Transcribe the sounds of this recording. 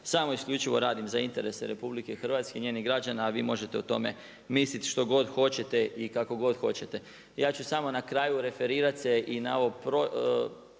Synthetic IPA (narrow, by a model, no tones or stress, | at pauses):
samo̞isklʎut͡ʃiʋo̞̰ɾaːd̪imzaint̪e̞ɾe̞seɾepublike̞xr̩ʋat̪skeiɲeːniɦɡɾad͡ʒanaːʋḭːmo̞ʒe̞t̪e̞ut̪o̞me̞̰ | mislit̪ʃt̪o̞ɡo̞d̪xo̞t͡ɕe̞t̪e̞ʔikako̞ɡo̞d̪xo̞t͡ɕet̪e̞ | jaːt͡ʃusamo̞nakɾaːjuɾe̞fe̞ɾiːɾat̪seʔinaoopɾo